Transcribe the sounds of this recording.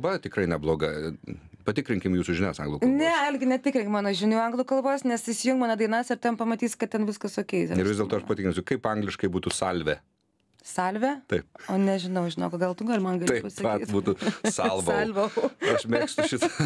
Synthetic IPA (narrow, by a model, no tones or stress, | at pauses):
bɐt̪ʲɪkɾɐɪnʲɛblˠoːɡɐ | pɐt̪ʲɪkɾʲɪŋʲkʲɪmjuːsʊʒʲɪnʲæsɐŋɡlˠuːkˠnʲɛɐlʲɡʲɪnʲɛtʲɪkɾʲɪŋʲkmɑːnoːʒʲɪnʲuːɐŋɡlˠuːkɐlˠboːsnʲɛsɪsʲɪjʊŋkmɑːnoːd̪ɐɪnɐsɪɾt̪ʲɛmpɐmɐt̪ʲiːskɐt̪̚tʲɛnʋʲɪskɐsʊkʲɛɪsʲɪɾrʋɪzd̪ʲeɛlˠt̪oːɐʃpɐt̪ʲɪkʲnʲʊsʲɪkɐɪpɐŋɡlʲɪʃkɐɪbuːt̪usɐlʲʋʲɛ | sɐlʲʋʲɛt̪ɐɪp̚oːnʲɛʒʲɪnɐʊʒʲɪnɐʊkoɡɐlˠt̪ʊɡɐlʲmɐnɡɐlʲt̪ɐɪpɐsɐɐktitbuːt̪ʊsɐlˠʋɐlʲʋoɐʃmʲeːkst̪ʊʃʲɪt̪ɐ